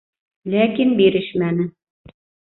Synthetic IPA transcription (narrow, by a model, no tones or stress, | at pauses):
lækinbiɾɘʃmænɘ